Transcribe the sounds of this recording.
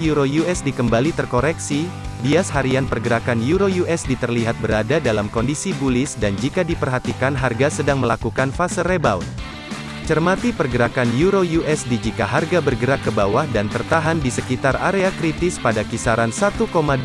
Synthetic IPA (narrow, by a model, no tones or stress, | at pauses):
juɾojuɛsdikəmbalit̪ərkoɾɛksi | biashaɾianpərɡəɾakanjuɾojuʔɛsdit̪ərliɦat̪̚bəɾadadalamkɔndisibulɪsdand͡ʒikadipərɦat̪ikanɦarɡasədaŋməla̰kukanfasərebawt̪̚ | t͡ʃərmat̪ipərɡəɾakanjuɾojuʔɛsdid͡ʒikaɦarɡabərɡəɾakːəbawahdant̪ərt̪aɦandisəkit̪araɾeakɾit̪ɪspadakisaɾansat̪ukoma